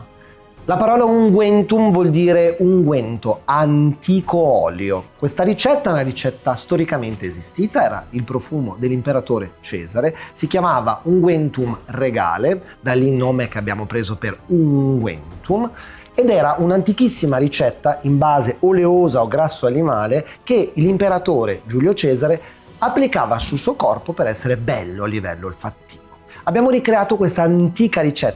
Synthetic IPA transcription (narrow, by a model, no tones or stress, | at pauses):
lapaɾɔːlauŋɡwɛnt̪umvwɔld̪iːɾeuŋɡwɛnt̪oant̪ikoɔːljokwest̪aɾit͡ʃɛt̪ːaunaɾit͡ʃɛt̪ːast̪oɾikament̪eːzist̪iːt̪aɛːɾa̰ilpɾofuːmod̪elːimpeɾat̪oːɾet͡ʃɛ̰ːzaɾesik̟jamaːva̰uŋɡwɛnt̪umreɡa̰ːle | d̪alːinːoːmek̟eabja̰ːmopɾeːzoperuŋɡwɛ̰nt̪um | ed̪ɛːɾaʔunant̪ikisːimaɾit͡ʃɛt̪ːaimbaːzeoleoːzaoɡɾasːoanimaːlekelimpeɾat̪oːɾed͡ʒuːljot͡ʃɛːzaɾe | apːlikaːvasulsuːokɔrpopeɾɛsːeɾebɛlːoalːivɛ̰lːoalfat̪ːi̥ːvoabːjaːmoɾikɾeaːt̪okwest̪aːnt̪iːkaɾit͡ʃɛt̪ː